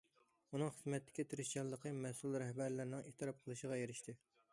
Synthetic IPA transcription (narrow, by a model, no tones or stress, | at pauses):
unɨŋχəzmɛt̪ːɪ̥kʲit̪ʰeɾɪʃt͡ʃɑlˠːəqʰəmɛsulˠɾɛhbæɾlɪɾnɪŋeht̪ʰɨɾɑp̚qʰəlˠɨʃəʁɑjeɾɪʃt̪ʰɨ